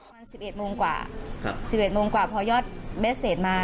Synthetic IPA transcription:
maː˧nsi˨˩p̚ʔe˨˩t̪̚moː˧ŋkwa̰ː˨˩˧si˨˩p̚ʔe˨˩t̪̚moː˧ŋkwaː˨˩pʰɔː˧jɔː˥˩t̪̚me˦˥t̪̚seː˨˩t̪̚maː˧

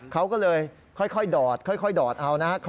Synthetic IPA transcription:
kʰa˦˥wkɔː˥˩lɤː˧j | kʰɔ˥˩jkʰɔ˥˩jdɔː˨˩t̪̚kʰɔ˥˩jkʰɔ˥˩jdɔː˨˩t̪̚ʔa˧wna˦˥kʰ

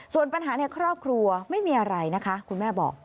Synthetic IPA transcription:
su˨˩ənpa˧nɦaː˩˦na˥˧jkʰɾɔː˥˩p̚kʰɾu˧ɐma˥˩jmiː˧˩ʔa˧ɾa˧jna˦˥kʰa˦˥kʰu˧nmɛː˥˩bɔ̰ː˨˩k̚

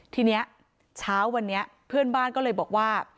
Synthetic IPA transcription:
t̪ʰiː˧ni˦˥ɐ | t͡ɕʰaː˦˥wːa˧nːi˦˥ɐ | pʰɯ˥˩ənbaː˥˩nkɔː˥˩ɤː˧jbɔː˨˩k̚waː˥˩

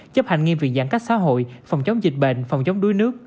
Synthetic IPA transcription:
t͡ɕə˦˥p̚ha˧˨ŋi˧mvi˨˩əŋza̰ː˧˥ŋka˦˥k̚saː˧˥ɦo̰˧˨jfa˨˩wŋ͡mt͡ɕə˨˦wŋ͡mzï˨˩k̟̚ɓḛ˧˨nfa˨˩wŋ͡mt͡ɕə˨˦wŋ͡mɗu˨˦jnɨ˦˥ək̚

